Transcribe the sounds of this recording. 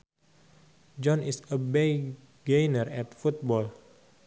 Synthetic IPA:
d͡ʒɔnisəbej | ɡejnərɛt̪fut̪̚bɔl

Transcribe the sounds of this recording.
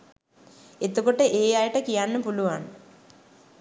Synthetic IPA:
et̪ːukoʈːeʔeːjaːjiʈːekijaːnːupuluʋaːɳɨ

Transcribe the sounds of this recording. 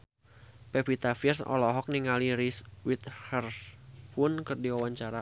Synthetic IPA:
pɛpit̪afirsɔ̰lɔɦɔk̚niŋaliɾiswit̪̚hərspʊnkɨrdiwawaɲt͡ʃaɾa

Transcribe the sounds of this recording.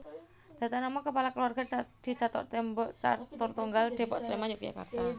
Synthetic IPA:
d̪̥a̤t̪anamaŋkəpalakəluarɡ̥ad̪̥i̤d̪̥a̤t̪ɔ̰ʔt̪ɛmbɔʔt͡ʃa̰t̪ɔrt̪uŋɡald̪̥e̤pɔʔsəlimajʊkja̰ka̰rt̪a

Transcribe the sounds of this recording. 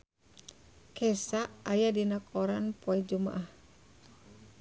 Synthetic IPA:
kɛsaʔːjadinakʰɔɾanpoɛd͡ʒuma̰ʔah

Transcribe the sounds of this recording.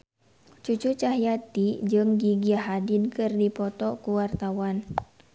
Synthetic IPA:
t͡ʃut͡ʃut͡ʃaɦjat̪id͡ʒɨŋɡiɡiaɦadinkɨrdipɔt̪ɔkuwart̪awan

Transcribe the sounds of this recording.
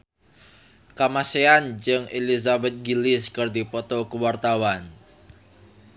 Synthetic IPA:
kamaseand͡ʒɨŋʔelizabɛt̪̚ɡilɪskərd̪ipɔt̪ɔkuwart̪awan

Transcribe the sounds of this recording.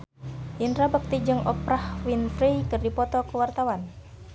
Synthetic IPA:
ʔindɾabək̚t̪id͡ʒɨŋʔɔ̰pɾahwinfɾijkɨrdipɔt̪ɔkəwart̪awan

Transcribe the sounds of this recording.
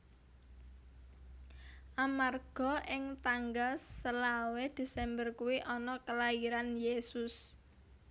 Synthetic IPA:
ʔamarɡ̥ɔ̤ʔɪŋt̪aŋɡalsəlawed̪̥e̤sɛmbərkuwiʔɔnɔkəlaiɾanjesʊs

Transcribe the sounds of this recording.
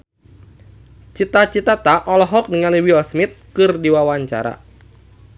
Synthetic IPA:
t͡ʃit̪at͡ʃit̪at̪aʔɔlɔɦɔk̚niŋaliwiɔsmit̪̚kɨrdiwawaɲt͡ʃa̰ɾa̰

